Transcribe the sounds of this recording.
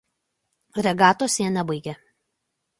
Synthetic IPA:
ɾʲɛɡɑːt̪oːsʲeːnʲɛbɐɪɡʲɛ

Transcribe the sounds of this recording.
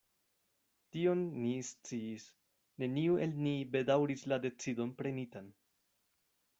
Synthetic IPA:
tio̞nːist͡siːs | ne̞niuʔe̞lnibe̞dawɾislade̞t͡sido̞npɾe̞nitan

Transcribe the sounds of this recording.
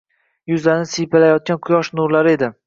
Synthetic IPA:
jʊzlaɾnɪsijpalajɒt̪̚kʲanqʰʊjɒʃnʊɾlaɾe̞d̪ɪ

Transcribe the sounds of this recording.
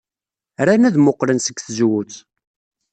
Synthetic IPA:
ɾænæðmʊqːɾənsəɡθəzwut͡s

